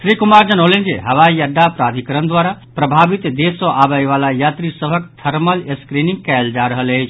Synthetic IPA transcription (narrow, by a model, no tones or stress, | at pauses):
sɾikumaɾd͡ʒənɦolend͡ʒeɦəʋaijəɖ̪ːapɾad̪ʱikɾənd̪waɾapɾəbʱabit̪d̪esəʔabəjʋalajat̪ɾisəbʱək̚t̪ʰəɾməleskɾinĩŋɡ̚kɛld͡ʒaɾəɦələjt͡ʃʰ